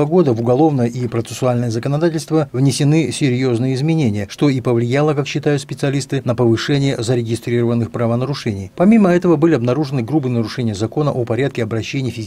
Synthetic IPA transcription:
əɡo̞d̪əvʊɡɐlˠo̞vnəjəʔipɾət̪sɨ̥sʊalʲnəjəzəkənɐd̪atʲɪlʲst̪vəvnʲɪsʲɪnɨsʲɪɾʲjo̞znɨjəɪzmʲɪnʲenʲɪjəʂt̪o̞ipəvlʲɪjalˠəkakɕːɪt̪ajʊt̪spʲɪt̪sɨɐlʲist̪ɨnəpəvɨʂɛnʲɪjəzəɾʲɪɡʲɪst̪ɾʲirəvənːɨxpɾəvənəɾʊʂɛnʲɪjpɐmʲiməɛt̪əvəbɨlʲɪɐbnɐɾuʐɨnɨɡɾubɨnəɾʊʂɛnʲɪjəzɐko̞nəʔopɐɾʲat̪̚kʲɪɐbɾɐɕːenʲɪjfʲɪzʲ

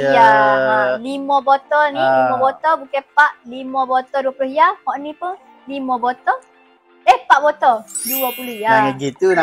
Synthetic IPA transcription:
ja | limɔ̃bɔt̪ɔnilimɔ̃bɔt̪ɔbukɛpaʔlimə̃bɔt̪ɔduapuluhjahɔʔnĩpə | limɔ̃bɔt̪ɔ | ehpaʔbɔt̪ɔduapuluhjaanəɡit̪un

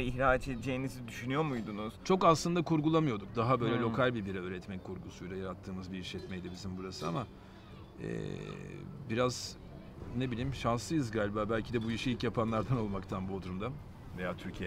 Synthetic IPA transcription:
içɾaːt͡ʃed̪d͡ʒejinizid̪yʃynyjo̞mujd̪unuz̥t͡ʃʰo̞kaslˠɯnd̪akʰuɾɡulˠamɯjo̞d̪uk̚d̪aɦabø̞jlʲɛlʲo̞kʰalʲbibiɾɛøːɾɛt̪mɛkʰuɾɡusujlʲˠajaɾat̪ʰːɯːmɯzbiiʃlɛt̪mɛjd̪ibizimbuɾasɯa̰ma | ɛ̰ | biɾaz̥ | ne̞bilʲiːmʃanslˠɯjɯzɡaːlʲibaːbælʲcʰid̪ɛbujiʃiilʲcjapʰanlˠaɾd̪ano̞lˠmakt̪ʰanbuod̪ʰuɾumd̪a | ve̞jaːt̪ʰyɾcʰij

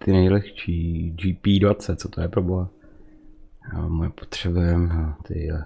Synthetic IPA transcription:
t̪ɪnɛjlɛxʃiːd͡ʒiːpiːdvat͡sɛt̪t͡sot̪ojɛpɾoboɦa | mojɛpo̥t̪r̝̥ɛbɛt̪ɪ

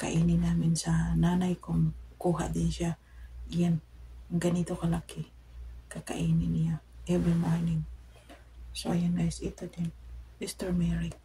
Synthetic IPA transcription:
ka̰ʔinɪnaːmɪnsananajkʊŋkuːɦa̰ʔd̪ɪnʃja | ɪjanɡanit̪okalakɪ | kaka̰ʔiːnɪnɪjaʔɛvɾimoɹnɪŋ | soʔajanɡajsɪt̪od̪ɪnmist̪ɛɹmɛɹɪk

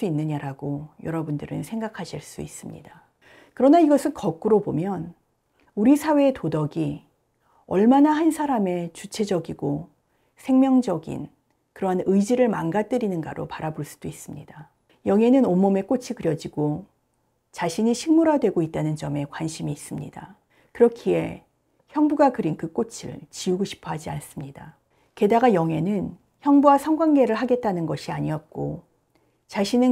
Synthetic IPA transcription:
uinːɯɲaɾaɡojʌɾʌbundɯɾɯnsʰe̞ŋɡakʰaɕʰiɭs͈ṵis͈ɯmɲḭda | kɯɾʌnaiɡʌsʰɯnkʌk̚k͈uɾobomjʌn | uɾisʰawe̞ːtodʌɡi | ʌ̰ɭmanaɦansʰaɾame̞t͡ɕut͡ɕʰe̞d͡ʑʌɡiɡo | sʰe̞ŋmjʌŋd͡ʑʌɡḭn | kɯɾʌɦanɯid͡ʑiɾɯɭmanɡat͈ɯɾinɯnɡa̰ɾo̰paɾaboɭs͈u̥d̥ois͈ɯmɲḭda | jʌŋɦe̞nɯnomːome̞k͈ot͡ɕʰikɯɾjʌd͡ʑiɡo | t͡ɕaɕʰiɲiɕʰiŋmuɾadwe̞ɡoit̚t͈anɯnd͡ʑʌme̞kwanɕʰimiːs͈ɯmɲida | kɯɾʌkʰie̞̰ | çjʌŋbuɡakɯɾinkɯk͈ot͡ɕʰḭɭt͡ɕiuɡoɕʰi̥pʰʌɦad͡ʑians͈ɯmɲida | ke̞daɡajʌŋɦe̞nɯn | çjʌŋbuwasʰʌŋɡwaŋɡe̞ɾɯɭɦaɡe̞t̚t͈anɯnɡʌɕʰiaɲiʌt̚k͈o | t͡ɕaɕʰinɯ

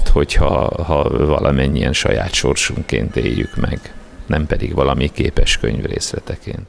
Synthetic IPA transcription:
t̪ho̞chɒhɒvɒlʔɒmɛɲːiɛnʃɒjaːt̪ʃo̞rʃuŋkeːnt̪eːjːykmɛɡ | nɛmpɛd̪iɡʋɒlɒmikeːpɛʃkøɲvreːslɛt̪ɛkeːnt̪

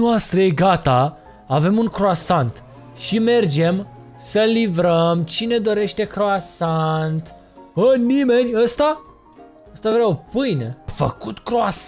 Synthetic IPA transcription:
oast̪ɾeeɡat̪a | ave̞muŋkɾoasant̪ | ʃime̞rd͡ʒe̞m | səlivɾəmt͡ʃine̞d̪o̞ɾe̞ʃt̪e̞kɾoasant̪ | ənime̞nʲəst̪a | əst̪avɾaopɨjnefə̰kut̪kɾoas

